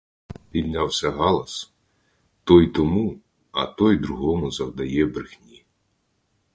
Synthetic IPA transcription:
pʲid̪nʲawsʲɐɦɑlˠɐs | t̪ɔjt̪ɔmu | ɐ̰t̪ɔjd̪ɾʊɦɔmʊzɐwd̪ɐjɛbɾɪxnʲi

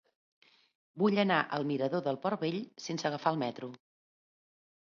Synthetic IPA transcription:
buʎənaʔəlˠmiɾəðoðəlˠpɔɾβeʎsensəɣəfaəlˠmɛt̪ɾu

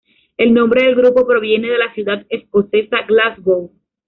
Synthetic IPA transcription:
e̞lnõ̞mbɾe̞ðe̞lɡɾupo̞pɾo̞βje̞ne̞ð̞e̞lasjuðaðe̞sko̞se̞saɡlazbow

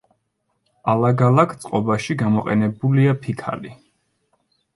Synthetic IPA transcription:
alaɡalakʰt̪sʼqʼɔbaʃiɡamɔqʼɛ̰nɛbuliapʰikʰa̰li

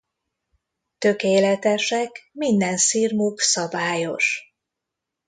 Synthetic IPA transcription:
t̪ø̞keːlɛt̪ɛʃɛkmind̪ɛnsiːrmuksɒbaːjo̞̰ʃ

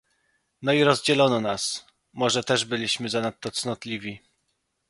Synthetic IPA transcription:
nɔiɾɔzd͡ʑɛlɔnɔnas | mɔʐɛt̪ɛʐbɘlʲiɕmɘzanat̪ːɔt̪snɔt̪lʲivʲi

